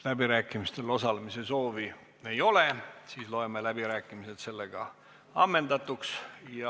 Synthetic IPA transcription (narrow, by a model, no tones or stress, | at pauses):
læbiɾæːkːˑimist̪e̞lo̞sɑlemise̞so̞ːvi | e̞jo̞lesiːslo̞e̞melæb̥iɾæːkːˑimiset̪se̞lːeɡ̥ɑ̰ | ɑmːe̞nd̪ɑt̪ːˑuksjɑ